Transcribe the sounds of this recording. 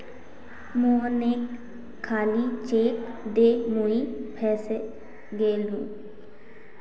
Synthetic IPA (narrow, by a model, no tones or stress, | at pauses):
muneːkʰː | aːliːt͡ʃeːk | d̪eːmoiːpʰɛːse | ɡeːlũː